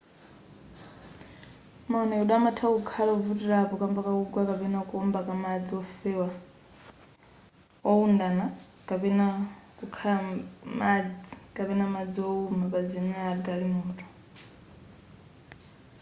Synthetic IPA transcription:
maɔnɛuɗamatʰakukʰalaɔvutiɾapɔkambakauɡwakapɛnakuɔmbakamad͡ziɔfɛwa | ɔundana | kʼapɛnakukʰalamad͡zikapɛnamad͡ziɔumapad͡zɛmɛaɡalimɔːtʰʼɔ̥

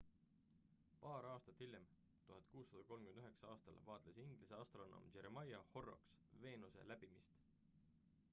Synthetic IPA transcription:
pɑːɾɑːst̪ɑt̪hilʲjem | t̪uhɑnd̪̥̚kuːsːɑd̪̥ɑko̞lmkymnd̪yɦeksɑɑːst̪ɑ̰lvɑːt̪ˑlesiŋɡ̥liseɑst̪ro̞no̰mt͡ʃe̞ɾemɑjɑho̞ro̞̰ksve̞ːnuse̞̰læb̥imist̪

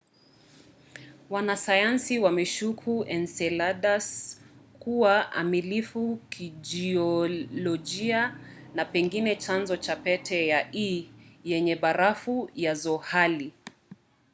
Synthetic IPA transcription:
wanasajansiwamɛʃukʰuɛnsɛlaɗaskuwaʔa̰milifukʰid͡ʒiɔlɔd͡ʒianapɛŋɡinɛt͡ʃanzɔt͡ʃapɛtʰɛjaijɛɲɛɓaɾafujazɔhali

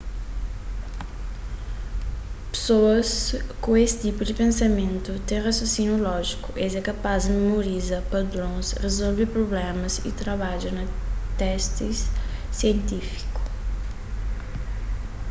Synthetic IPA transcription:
pe̥soɐskuesɪ̥t̪ipud̪ipẽnsɐmẽnt̪ut̪ɛ̃ŋrɐsosinjulɔʒikuʔezɛkɐpazɐmmemoɾizapɐd̪ɾõsrezolvepɾoblɛmɐzḭt̪ɾɐβad͡ʒɐnɐt̪ɛst̪isːjent̪ifi̥ku̥

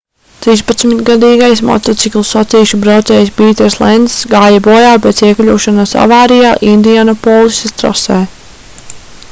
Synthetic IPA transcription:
t̪ɾispat̪smit̪ɡad̪iːɡajsmɔ̰t̪ɔt̪siklˠsɔt̪siːʃubɾawt̪sɛːjspiːt̪ɛɾslˠɛnd̪sɡaːjabɔːjaːpɛːt̪siɛklʲuːʃanasa̰vaːɾijaːʔind̪ijanɔpɔːlˠisʲast̪ɾɔ̰sɛː

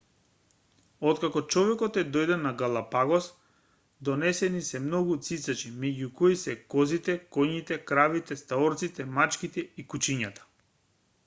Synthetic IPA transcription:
ɔt̪kakɔt͡ʃɔvɛkɔt̪ɛd̪ɔjd̪ɛnaɡalˠapaɡɔs | d̪ɔnɛsɛnisɛmnɔɡut̪sit̪sat͡ʃimɛɟukɔisɛkɔzit̪ɛkɔɲit̪ɛkɾavit̪ɛst̪aɔɾt̪sit̪ɛmat͡ʃkit̪ɛikut͡ʃiɲat̪ḁ

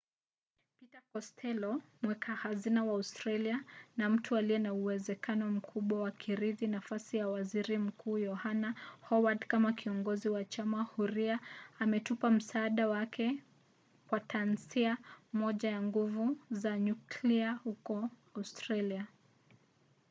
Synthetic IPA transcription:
pitakɔstʰɛlɔmwɛkʰahazinawaːustɾalianam̩tʰualijɛnauwɛzɛkanɔm̩kʰuɓwawakʰiɾiðinafasijawaziɾim̩kʰuːjɔhanahɔwadkamakʰiɔŋɡɔziwat͡ʃamahuɾiaːmɛtupam̩saːɗawakʰɛ | kwatʰansiamɔʄajaŋɡuvuzaɲukliahukɔaustɾalia

